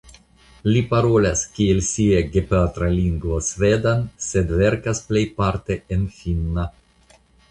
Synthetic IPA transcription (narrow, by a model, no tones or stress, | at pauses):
lipaɾo̞laskʲielsieɡepat̪ɾaliŋɡvosved̪ansed̪ve̞ɾkasplejpaɾt̪e̞enfinːa